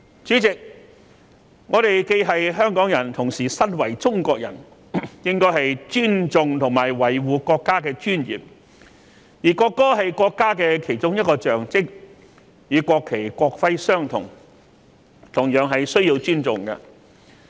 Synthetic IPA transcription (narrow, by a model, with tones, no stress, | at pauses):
t͡ʃyː˨˥t͡sɪ˨k̚ | ŋɔː˨˧t̪e˨jke˧jɦɐ˨jɦœː˥ŋkɔː˨˥ŋjɐ˨˩nt̪ʰʊ˨˩ŋsiː˨˩sɐ˥nwɐ˨˩jt͡sʊ˥ŋkʷɔː˧k̚jɐ̰˨˩n | jɪ˥ŋkɔː˥jɦɐ˨jt͡ʃyː˥nt͡sʊ˨ŋt̪ʰʊ˨˩ŋmaː˨˩jwɐ˨˩jwuː˨˧kɔː˧kːaː˥kɛː˧t͡ʃyː˥njḭː˨p̚ | jiː˨˩kɔː˧kːɔː˥ɦɐ˨jkɔː˧kːaː˥kɛː˧kʰe˨˩jt͡sʊ˥ŋjɐ˥t̚kɔː˧t͡ʃœː˨ŋt͡sɪ˥k̚ | jiː˨˧kʷɔː˧kʰːe˨˩jkʷɔː˧k̚fɐ˥jsœː˥ŋt̪ʰʊ˨˩ŋ | t̪ʰʊ˨˩ŋjœː˨˧˥ŋɦɐ˨jsɵ˥ɥjiː˧wt͡ʃyː˥nt͡sʊ˨˩ŋkɐ̰˧